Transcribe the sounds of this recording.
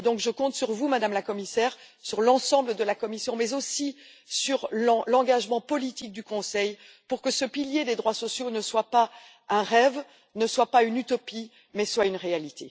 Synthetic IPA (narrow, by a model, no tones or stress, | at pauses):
d̪ɔ̃kʒəkɔ̃t̪syʁvumad̪amlakɔmisɛːʁsyʁlɑ̃sɑ̃bləd̪əlakɔmisjɔ̃mɛzosi | syʁlɑ̃lɑ̃ɡaʒmɑ̃pɔlit̪ik̚d̪ykɔ̃sɛj | puʁkəsəpiljed̪ed̪ʁwasɔsjonəswapa | ɛ̃ʁɛv | nəswapaynyt̪ɔpi | mɛswaynʁealit̪ʰe